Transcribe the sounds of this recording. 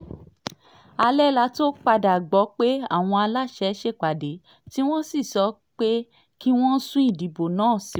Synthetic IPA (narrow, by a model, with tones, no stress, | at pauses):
a˧lɛ˦la˧˦to˦k͡pa˧da˨ɡ͡bɔ˨˦k͡pe˦a̰˦˨w̃ɔ̃˧a˧la˦ʃɛ˧˦ʃe˦˨k͡pa˨de˨˦ | ti˦w̃ɔ̃˦si˦˨sɔ˨˦ | k͡pe˦ | ki˦w̃ɔ̃˦sũ˦i˦˨di˨bo˨nãː˨˦˨si˨